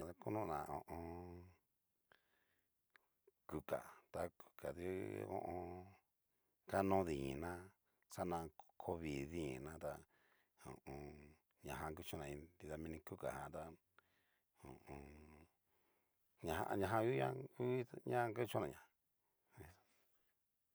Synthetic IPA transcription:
a˧ku˦nũ˦˧nã̰˨õ̰˨ʔõ˧ | ku˨ka̰˨t̪a˧ku̥˨ka˨ði˧˦õ̰˧ʔõ˧ | ka˦nõ˦ði˨ɲĩ˨nã˦ | sa˦nã˧kʰo˦βi˨ðĩ˦˨nã˦t̪a˧ | õ̰˨õ˧ | ɲã˨ɦã˧ku˦t͡ʃõ˦˧nã˨ĩ˧d̪i˧ða˧mĩ˧nĩ˧ku˦ka̰˨hã̰˨t̪a˧ | õ˨ʔõ˧ | ɲã˧hã̰˧ʔɲã˧ɦã˧u˦ã̰˦˧ku˦ɲã˦˧ŋka˦t͡ʃõ˦nã˨ɲã˨ | i˧˦

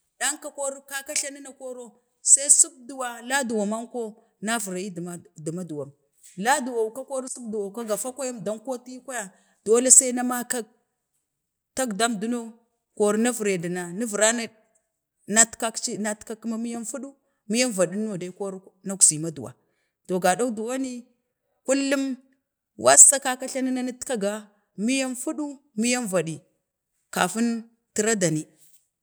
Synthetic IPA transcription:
da˦ŋka˦ko˦ɾka˦ka˦ɬa˦ni˦na˨ko˦ɾo˦ | sa˦i˦su˦k̚du˨wa˨la˦du˨wa˨ma˦ŋko˦ | na˦vu˨ɾa˨ji˦ddu˨ma˦du˨wa˨m | la˦du˨wa˨ka˦ko˦ɾsu˦bdu˨wa˨ka˦ɡa˨fa˦kʷa˦ja˦mda˦mko˦ti˦kʷa˦ja˨ | d̥o˦le˦sa˦i˦na˦ma˦ka˦ɡ̚ | ta˦ɡda˦mdu˦no˦ | ko˨ɾna˦vɾe˨da˨na˨na˦vɾa˦na˦ | na˦tka˦kt͡ʃi˦na˦tka˦kːi˦ma˦mi˦ja˦nfu˦ɗu˦ | mi˦ja˦nva˨di˦n˦o˨da˨˦ko˦ɾna˦ku̥˨si˨ma˦dṵ˨wa̰˨ | to˨ɡa˨da˦u˦du˨wa˦ni˦ | ku˦lːu˦m | wʔa̰˦sa˦ka˦ka˦ɬa˦na˦na˦ni˦tka˦ɡa˨ | mi˦ja˦nfu˦ɗu˦ | mi˦ja˦nva˨ɗi˨ | ka˨fu˦n | ti˦ɾa˦da˨ni˦

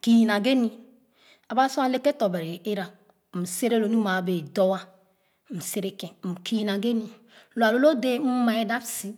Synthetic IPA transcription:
ki˨jna˨ɡe˦ni˨ | a˨ba˦so˦a˨le˦ke˦to˨be˨ɾe˨e˦ɾa˨ | m̩˨se˦ɾe˦lo˨ni˦ma˨be˨do˦wa˦˨ | m̩˨se˦ɾe˨ke˨m̩˨ki˨jna˨ɡe˦ni˨ | lo˨a˨lo˦lo˦de˦m̩˦ma˨e˦da˦bsi˦

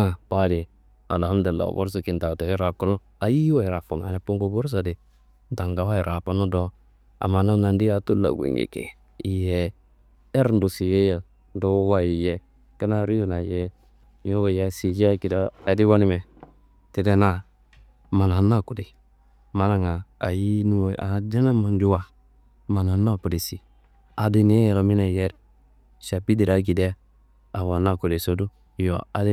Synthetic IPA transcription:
a˨pa˦di˨ | a̰˨la˨˦de˨lːa̰˨bo̰˦ɾs̬u˨ki˨n˨da˨te˨i˦ɾa˨ku˦no˦ | a˨ji˦wa˦˨ɾa˨fu˨n˨a̰˨na˨pu˦ŋɡo˦bo˦ɾs̬a˨dɪ˨ | n˦da˨ŋɡa˨˦wa˦i˨ɾa˨pa˦no˦do˦ | a̰˨ma˨na˦na˨ndi˦a˨tu˦la̰˨ɡʷḭ˨ŋḭ˨kḛ˨ | i˨jɛ˨ | e˦ɾn̩˦du˨si˨je˦ja˨˦ | do˦wa˦i˨jɛ˨ | ka˦na˦ɾi˦ju˦na˨jɛ˦ | jo˦wo˨je˦si˨d͡ʒi˦a˦ki˨da˦a˨di˦wo˦ni˦mɛ˨ | te˨de˦na˦˨ | ma˨na˨˦na˦˨ku˨de˨ | ma˨na˨ŋa˨a˨ji˦nu˦˨ʔa̰˨na˨˦de˦na˦ma˨n˦d͡ʒu˦wa˨ | ma˨na˨na˦˨ku˨de˨si˨ | a˨di˦ni˨˦e˦jɛ˨ɾo˨mi˦na˨jɛ˦ɾ | ʃa˨pi˦di˨ɾa˨ɡ̬i˨de˦ | a˨wa˨na˦˨ku˨de˨so˦du˦ | jo̰˨a˨˦d

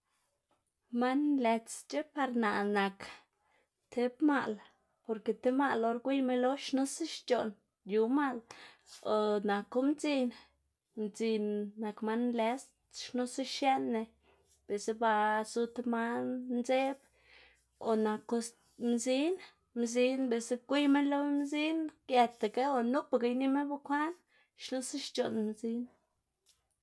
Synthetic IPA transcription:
ma˦nle˧t͡st͡ʃe˦pa˧ɾna˨na˨k | t̪ʰe˧bma̰˦˧l | po˧ɾke˧t̪e˦ma˦˧lo˧ɾɡʷi˦jme˦lo˦ʃnu˦si˦ʃt͡ʃo˨n | ju˨ma˦l | o˨˧na˨ko˦mt͡si˧n | md͡zi˧nːa˨kma˦nle˧st̪ʃnu˦si˦ʃje˦nːe˧ | b̥e˨se˦ba˧su˧t̪ma˦nnze˦b | o˨na˨ko˧ | mzi˦n | mzi˧nbe˨se˦kʷi˦ma˦nlo˦mzi˦nkja˧t̪a˨ka˦o˨nu˦pa˨ka˧jni˦me˦ba˦kʷa˦n | ʃlu˦sa˦ʃt͡ʃo˨nmzi˧˦n

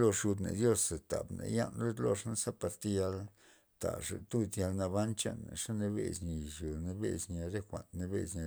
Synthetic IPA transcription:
lo˧ʂu˧d̪nḛ˨d̪jo˦se˨t̪a˨bnḛ˧ja˦nɾe˦t̪lo˧ʂna˦sa˦pa˧ɾt̪e˦ja˧l | t̪a̰˨ʂḛ˨t̪u˦d̪ja˧lna˧βa˦nt͡ʃa̰˦nːa˨ʂa˦ne˧βe˧˨zɲi˨ʃu˨ne˧be˦zɲa˧ɾe˦xʷa̰˨nne˧be˦zɲa˧

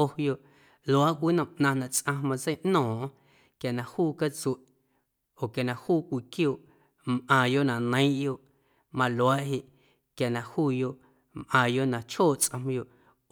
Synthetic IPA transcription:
o˧jo˨ʔ | lwaː˦ʔkʷi˦nã˨ʔnã˧nã˨t͡sʔã˧mã˧t͡se˦ʔnɔ̃ː˨ʔ | kja˨nã˨huː˦˨ka˦t͡se˨ʔ | o˨kja˨nã˨huː˦kʷi˨kjoː˧˨ʔ | mʔãː˨jo˦ʔnã˨nə̃˨˦ʔjo˧˨ʔ | mã˧lwaː˦ʔɦi˧˨ʔ | kja˨nã˨huː˦jo˧ʔ | mʔãː˨jo˦ʔnã˨t͡ʃhoː˦˨t͡sʔã˧m̃˧jo˧˨ʔ

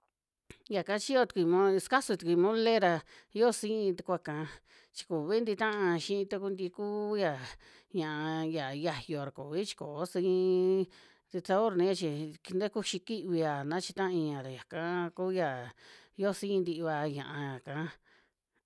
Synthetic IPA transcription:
ja˨kã˦t͡ʃi˦jo˦˧t̪u̥˨kʷi˧mõ˧ska˦su˧t̪u˧kʷi˧mõ˦le˦ɾa˧ | jo˦˧sĩ˦˧t̪u˧kʷa˧˨kã˧ | t͡ʃi̥˧ku˨βi˦nd̪i˧t̪ã˦ʔã˧ʃĩ˦ĩ˧t̪a˦ku˦nd̪i˧ku˦ja˧˨ | ɲã˨ʔã˧ja˨ja˧jo˧ɾa˨ku˨βi˦t͡ʃi̥˧ko˨˦sĩ˧ | t̪e˧t͡sa˧o˦ɾnĩ˧˦ja˧t͡ʃi˧ki˧nd̪e˦ku˦ʃi˧ki˦ʔβi˧a˨nã˦t͡ʃi˧t̪ã˦ʔi˧ɲã˨ɾa˨ja˨kã˦ku˦ja˨ | jo˦˨˧sĩ˦˧nd̪i˧βa˧ɲã̰˨ʔã˧ja˨kã˨˧

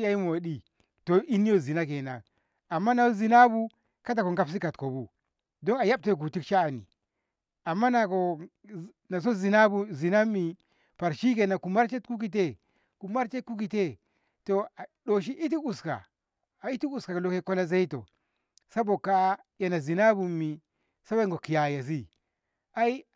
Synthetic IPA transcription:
ja˦i˦mo˨ɗi˨ | to˨ʔi˦ni˦jo˦zi˨na˦ke˨na˨ | a˨mːa˦na˨o˦zi˨na˦bu˦ | ka˦t̬a˨ko˨ŋɡa˦ps̬i˦ka˨tko˨bu˦ | do˦ŋa˨ja˦b̚te˦˨k̬u˨ti˦kʃaː˦˨nḭ˨ | a˨mːa˦na˨ko˨ | na˨s̬o˦zi˨na˦bu˦zi˨na˦mi˨ | pa˨ɾʃi˦ke˨na˨ku˨ma˦ɾt͡ʃe˦tku˦k̬i˨t̬e˦ | ku˨ma˦ɾt͡ʃe˦ku˦k̬i˨te˦ | to˨ɗo˨ʃ̬i˦ʔi˦t̬i˦u˨ska̰˨ | a˨i˦ti˦u˨ska˨ka˨lo˦ke˦ko˦la˦za˦i˦to̰˨ | sa˦bo˨ka˦ | ja˨na˨zi˨na˦bu˨mi˨ | sa˦ba˦ŋɡo˨ki˨ja˨ja˨s̬i˦ | a˦i˦

